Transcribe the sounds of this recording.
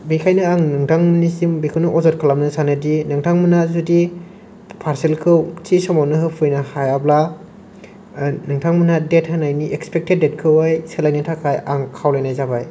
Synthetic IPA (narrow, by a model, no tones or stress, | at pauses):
bikʰajnɯaŋnɯŋtʰaŋmnisimbikʰɯwnɯʔɔzɔt̚kʰalamnɯsanɯdinɯŋtʰaŋmɯnazudi | pʰaɾselkʰɯwtisɔmawnɯɦɯpʰɯjnahajabla | nɯŋtʰaŋmɯnadet̚hanajniʔekspek̚ted̚ːet̚kʰɯwajselajnɯtʰakʰajaŋkʰawlajnajzabaj